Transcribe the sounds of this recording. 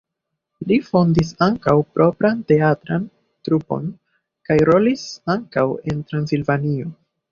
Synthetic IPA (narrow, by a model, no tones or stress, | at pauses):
lifo̞ndis̬aŋkawpɾʔo̞pɾante̞atɾan | tɾupo̞̰n | kajɾo̞lisaŋkawe̞ntɾansilvanio̞